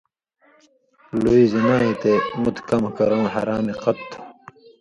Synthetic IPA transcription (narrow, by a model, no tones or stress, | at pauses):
luizinaːit̪emut̪kɐmkɐɾõːɦɐ̰ɾaːmiqɐt̪